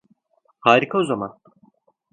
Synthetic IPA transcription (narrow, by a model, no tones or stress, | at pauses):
haːɾikʰaozama̰n